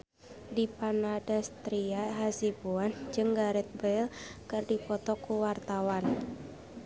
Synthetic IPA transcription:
dipanadast̪ɾiaɦasibuand͡ʒɨŋɡaɾɛt̪̚bɛlkɨrdipɔt̪ɔkuwart̪awan

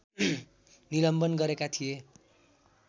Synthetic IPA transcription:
nilʌmbʌnɡʌɾekat̪ʰije

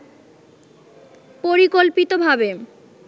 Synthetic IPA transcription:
poɾikolpit̪obʱabe

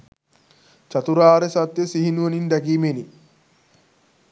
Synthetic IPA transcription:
t͡ʃɐt̪uɾaːɾɛsɐt̪ːesiɦinuɐnind̪ɐɡiːmeni

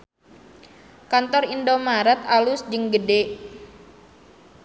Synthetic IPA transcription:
kant̪ɔrindomaɾɛt̪̚alʊsd͡ʒəŋɡəde

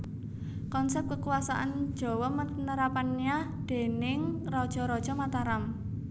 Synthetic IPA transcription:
kɔnsɛp̪̚kəkuwasa̰ʔand̥ʒ̥ɔ̤wɔmənəɾapanija | d̪̥e̤nɪŋrɔd̥ʒ̥ɔ̤ɾɔd̥ʒ̥ɔmat̪aɾam

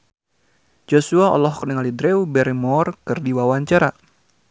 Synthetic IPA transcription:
d͡ʒosuaɔ̰lɔhkənəŋalidɾɛubɛɾemɔrkɨrdiwawaɲt͡ʃaɾa

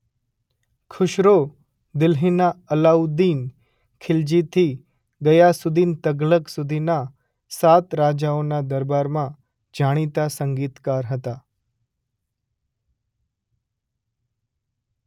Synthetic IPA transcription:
kʰʊʃɾo | d̪ɪlɦinaəlaud̪iːn | kʰɪld͡ʒit̪ʰi | ɡəjasud̪ʱiːnt̪əɡləksud̪ʱina | sat̪ɾad͡ʒaonad̪əɾbaɾmã | d͡ʒʱaɽ̃it̪asəŋɡiːt̪kaɾɦət̪a

